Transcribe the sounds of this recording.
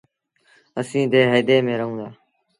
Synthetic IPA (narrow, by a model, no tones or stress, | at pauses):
əsĩːd̪eːɦeːd̪eːmẽːɾəɦũːd̪aː